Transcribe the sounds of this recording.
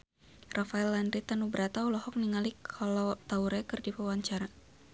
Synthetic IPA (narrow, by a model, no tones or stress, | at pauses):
rʔafaɛlːandɾit̪anubəɾat̪aulɔhɔk̚niŋalikʰalɔt̪auɾɛkɨrdipawaɲt͡ʃaɾa